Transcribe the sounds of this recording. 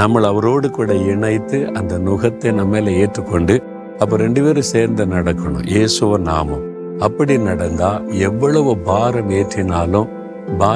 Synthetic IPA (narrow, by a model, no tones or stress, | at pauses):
nɐmːɐɭɐʋɐɾoːɽɯkːuːɽɐɪɳɐɪt̪ːɯʔɐnd̪ɐnʊɣɐt̪ːɐnɐmːeːlɐeːʈrɯkːɔɳɖɯ | ɐpːɔ̃ɾɛɳɖɯpeːɾɯseːɾnd̪ɐnɐɽɐkːɐɳʊ̰̃jʔeːsɯʋɐna̰ːmʊ̰̃ | ɐpːɐɽinɐɽɐnd̪aːɛʋːɐɭɐʋɯbaːɾɐmeːʈrɪnaːlʊ̃ | baː